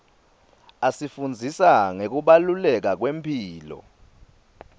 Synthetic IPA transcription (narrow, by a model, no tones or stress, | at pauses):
asifund͡zʱisaŋek̬uɓalulɛk̬ak̬wempʰiːlɔ̰